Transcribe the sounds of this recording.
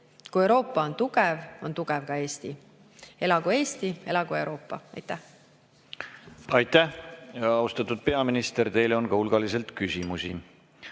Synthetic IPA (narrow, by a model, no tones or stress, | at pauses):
kuewɾo̞ːpːˑɑo̞nt̪uɡ̥ɛvo̞nt̪uɡ̥ɛvkɑe̞ːst̪i | e̞lɑɡ̥ue̞ːst̪ie̞lɑɡue̞wɾo̞ːpˑːɑ̰ɑ̰jt̪ːˑæh | ɑjt̪æhɑɑust̪ɑt̪ːˑud̪̥̚pe̞ɑminist̪eɾt̪e̞jlo̞nkɑulɡ̥ɑlis̬e̞lt̪kysimusḭ